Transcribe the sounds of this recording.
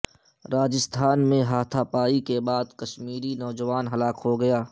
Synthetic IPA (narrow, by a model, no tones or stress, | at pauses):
ɾaːd͡ʒɪst̪ʰaːnmẽɦaːt̪ʰapaːikebaːd̪kɐʃmiːɾinɔːd͡ʒəʋaːnɦɐlaːkɦoɡɐjaː